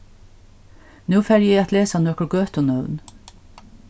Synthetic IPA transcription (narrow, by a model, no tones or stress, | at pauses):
nʉːfæɾjiːɑt̪leːsɑnœkəɡøːt̪ʊnœʉn